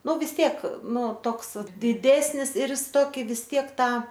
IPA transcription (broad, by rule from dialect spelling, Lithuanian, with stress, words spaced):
ˈnʊ ʋʲɪs ˈtʲiɛk ˈnʊ ˈtoːks dʲɪˈdʲæːsʲnʲɪs ɪr jɪs ˈtoːkʲɪ ʋʲɪs ˈtʲiɛk ˈtɑː